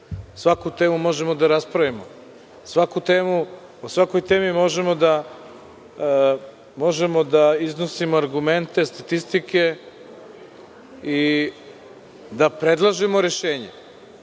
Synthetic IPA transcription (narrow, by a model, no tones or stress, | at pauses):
sʋakut̪e̞ːmumo̞ʒe̞mo̞d̪aɾaspɾaʋimo | sʋakut̪e̞ːmu | osʋako̞jt̪e̞ːmimo̞ʒe̞mo̞d̪a | mo̞ʒe̞mo̞d̪aizno̞simoaɾɡume̞nt̪e̞st̪at̪ist̪ike̞ | i | d̪apɾe̞d̪lˠaʒemoɾe̞ʃe̞ːɲḛ